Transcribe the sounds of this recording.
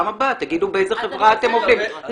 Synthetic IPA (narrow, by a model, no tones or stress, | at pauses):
amabat̪ːaɡid̪ubeejzeχevʁaat̪emovd̪im